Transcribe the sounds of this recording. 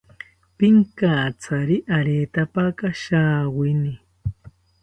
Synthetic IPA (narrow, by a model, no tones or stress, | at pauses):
pɪŋkaːt͡sʰaɾiʔaɾeːt̪apakaʃaːwɪni